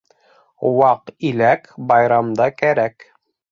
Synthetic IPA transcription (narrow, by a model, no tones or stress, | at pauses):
wɑqilækbɑjɾɑmd̪ɑkæɾæk